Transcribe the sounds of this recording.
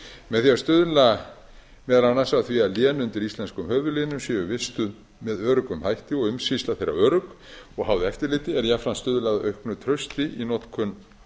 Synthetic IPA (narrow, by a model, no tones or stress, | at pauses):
mɛðθiaɾst̪ʏðla | mɛːðalanasaθvialjɛːnʏnt̪ɪɾist̪lɛnskʏmhœːvʏlɪnʏmsjɛːʏvɪst̪ʏð | mɛðœːɾʏkʏmhajht̪ɪɔɣʏmsist̪aθejrːa̰œːɾʏk | ɔɣɦawðʏɛft̪ɪɾlɪːt̪ɪɛɾjafɾanst̪ʏðlaðœ̰ɥhknʏt̪ʰɾœɥst̪ɪʔinɔt̪kʰʏn